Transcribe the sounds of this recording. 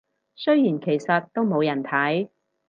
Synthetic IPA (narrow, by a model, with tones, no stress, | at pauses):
sɵ˥ɥjiː˨˩nkʰe˨˩jsɐ˨t̚t̪o˥wmo˨˧wjɐ˨˩nt̪ʰɐ˨˥j